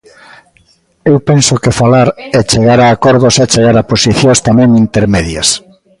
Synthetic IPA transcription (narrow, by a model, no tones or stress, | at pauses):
ewpensokefalaɾet͡ʃeɣaɾaːkɔɾðosat͡ʃeɣaɾaposiθjost̪amɛ̃ŋint̪eɾmeðja̰s